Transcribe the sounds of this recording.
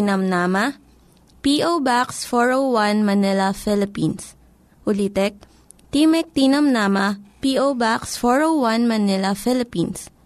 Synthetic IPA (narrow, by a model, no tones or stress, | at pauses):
nɐmnaːmɐ | piʔowbaksfɔɹowwanmɐnɛlɐfɛlɪpins | ʊlit̪ɛk̚ | t̪imɛk̚t̪inɐmnaːmɐpiowbaksfɔɹowwanmɐnɛlɐfɛlɪpins